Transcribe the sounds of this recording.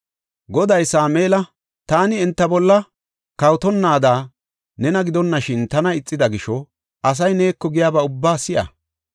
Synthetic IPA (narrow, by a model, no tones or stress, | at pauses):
ɡɔd̪ɐjsaːmeːlɐ | t̪aːnɪɛnt̪ːɐbɔlːɐ | kɐwt̪ɔnːaːd̪aː | nɛnɐɡɪd̪ɔnːɐʃɪnt̪ɐnɐɪt͡sʼːɪd̪ɐɡɪʃɔ | ʔɐs̬ɐjne̞ːkːɔɡɪjaːbɐʊbːaːsɪjɐ̰